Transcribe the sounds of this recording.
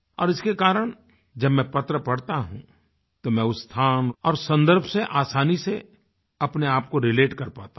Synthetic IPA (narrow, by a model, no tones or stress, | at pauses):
ɔ̰ːɾɪskekaːɾəɽ̃ | d͡ʒɐbmɛ̃pɐt̪ɾəpɐɽt̪aɦũ | t̪omɛ̃ʊst̪ʰaːnɔːɾsɐ̃nd̪əɾbʱseʔaːsaːnise | ɐpneaːp̚koɾɪleːʈkɐɾpaːt̪a